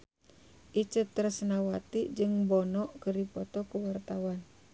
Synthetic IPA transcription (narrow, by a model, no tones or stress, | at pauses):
ʔit͡ʃət̪ːɾsnawat̪id͡ʒɨŋbɔnɔʔkəɾipɔt̪ɔkuwart̪awan